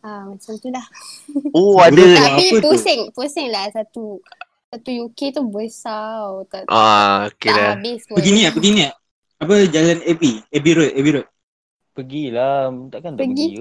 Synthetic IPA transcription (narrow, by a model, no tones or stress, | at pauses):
amasaŋt̪ulahoadəaasəosɛŋp̪osɛŋlahsat̪u | sat̪ujuket̪ubəsawt̪aʔaokealabɪspəɡiniapəɡinia | ap̬əd͡ʒalanɛpiɛbiɾot̪ɛbiɾot̪̚ | pəɡilat̪aʔkant̪aɡi